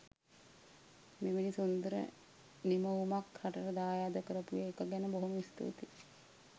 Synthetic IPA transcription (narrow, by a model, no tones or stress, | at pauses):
meʋinisund̪əɾə̰ | niməumakhaʈəɾəd̪aːjaːd̪əkəɾəpujəːkəɡɛnəboɦumist̪o̰ːt̪i